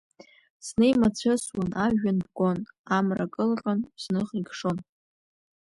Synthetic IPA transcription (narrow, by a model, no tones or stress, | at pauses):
sne̞jmat͡ɕʷʰaswanʔaʒᶣanbkʷʼonamrakʼɨlqʼanz̥nɨχiɡʂo̞n